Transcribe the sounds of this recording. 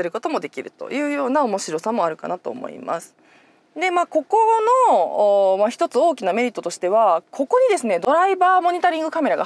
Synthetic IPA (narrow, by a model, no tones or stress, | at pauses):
eɾɯ̟ko̞t̪o̞mo̞d̪e̞kʲiɾɯ̟t̪o̞̰jɯ̟ːjo̞ːnaomo̞ɕiɾo̞samo̞aɾɯ̟ka̰nat̪o̞̰ːmo̰ḭma̰sɨ̥ | d̪e̞mako̞ko̞no̞ː | maçi̥t̪o̞t͡sɨo̞ːkʲiname̞ɾʲit̪ːot̪o̞ɕi̥t̪e̞βakʰo̞ko̞ɲ̟id̪e̞sɨne̞d̪o̞ɾaibaːmo̞ɲ̟it̪aɾʲĩŋɡɯ̟kame̞ɾaɡa